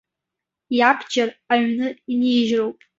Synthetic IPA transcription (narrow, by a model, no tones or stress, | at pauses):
japʰd͡ʒaraɥnɨiniːʒrowpʼ